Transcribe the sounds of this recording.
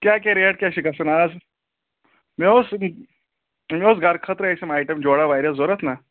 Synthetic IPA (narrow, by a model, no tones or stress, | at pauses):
kjak̬jaɾeəʈ̚kʲjaɕikasənad͡z | meos | meosɡaɾkʰət̪ɾəejsemajʈəmd͡ʑoɽaʋajɾəsd͡zoɾət̪na